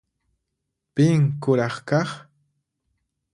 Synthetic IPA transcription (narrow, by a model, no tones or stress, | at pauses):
pɪŋkʊɾɑχkɑχ